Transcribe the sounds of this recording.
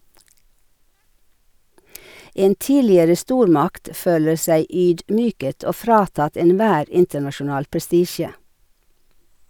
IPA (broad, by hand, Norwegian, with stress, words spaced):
ˈeːn ˈtiːlɪəɾə ˈstuːɾˌmɑkt ˈføːlə ˈsæɪ ˈyːdˌmyːkət ˈoː ˈfɾɑːtɑt ɛnˈʋæːɾ ˈɪntənɑʃʊˌnɑːl pɾɛˈstiːʃə